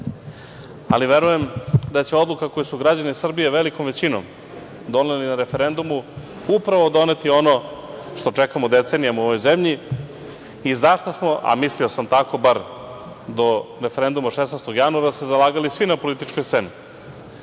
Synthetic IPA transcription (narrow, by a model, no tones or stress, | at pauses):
a̰liʋe̞ɾuje̞md̪at͡ɕeo̞d̪lukako̞jesuɡɾad͡ʑanisr̩bijeʋeliko̞mʋet͡ɕino̰m | d̪o̞nelinaɾe̞fe̞ɾe̞nd̪umu | upɾaʋo̞d̪o̞ne̞t̪io̞noʃt̪o̞t͡ʂekamod̪e̞t̪seːnijamuo̞ʋo̞jzemʎi | izaʃt̪asmo̞ʔa̰mislio̞samt̪ako̞baɾ | d̪o̞ɾefeɾe̞nd̪umaʃesnajst̪o̞ɡjanuaɾasezalˠaːɡalisʋinapo̞lit̪it͡ʃkojst̪se̞ni